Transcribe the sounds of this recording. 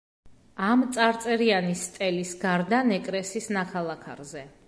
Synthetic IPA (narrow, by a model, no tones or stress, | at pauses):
amt̪sʼaɾt̪sʼɛɾianist̪ʼɛlisɡaɾd̪anɛkʼɾɛsisnakʰalˠakʰa̰ɾzɛ